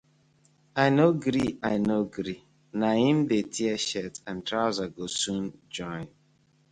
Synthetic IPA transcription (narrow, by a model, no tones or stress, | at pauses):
aɪnoɡɾiaɪnoɡɾi | naɦĩm̩detʰiɛʃɛtãntɾaʊzaɡosũnd͡ʒɔ̃ɪ̃n